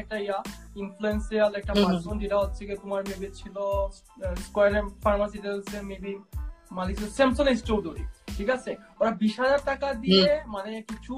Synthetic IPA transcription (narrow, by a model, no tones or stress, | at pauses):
ɛk̚ʈaiainfluensialɛk̚ʈapasond͡ʑeʈaɦotːɕʰeket̪omaɾmebit͡ɕʰilo | skajaɾefaɾmasiʈelsemebimanikt͡ɕʰilosɛmsonisʈt͡ɕod̪ʱoɾḭʈʰikat͡ɕʰeoɾabiʃɦad͡ʑaɾʈ̪akad̪iemanekit͡ɕʰu